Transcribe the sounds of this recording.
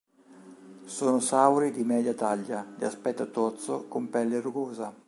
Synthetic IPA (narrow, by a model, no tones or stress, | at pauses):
soːnosawɾid̪imɛːd̪jat̪aʎːad̪iaspɛt̪ːat̪ɔt̪sokompɛlːeɾuɡoːza